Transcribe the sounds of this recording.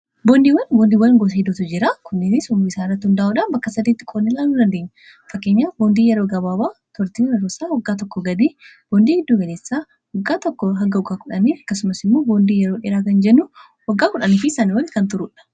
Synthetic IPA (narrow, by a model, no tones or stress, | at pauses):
boːnd̪iːwɐnboːnd̪iːwɐnɡɔsɪd̪ɔt̪ʊd͡ʒɪɾakʊnːɪnɪsʊmɪsaːnrːɐt̪ːhʊnd̪ɐʔʊᶑɐbɐkːɐsɐd̪iːt̪ːɪ̥kʼonːɪlaːlːud̪ɐnd̪e̞ːɲːɐ | fɐkːe̞ːɲːaːboːnd̪iːjɛɾo̞ːɡɐbaːbaːt̪ʰɔɾt̪iːwɐnɛɾoːsaːwɐɡːaːt̪̬ɔkːɔɡɐd̪iːb̥oːnd̪iːɡɪd̪ːuːɡɐleːsːaː | wɔɡːaːt̪ɔkːɔɦɐŋɡɐʊɡaːkʊᶑɐniːɐkːɐsʊmɐsɪmːo̞ːboːnd̪iːjɛɾo̞ːᶑeːɾaːkɐnd͡ʒɛnːʊ | wɐɡːaːkʊᶑɐnifɪsaːnɪɾɐlːɪkɐnt̪ʊɾʊːᶑɐ̥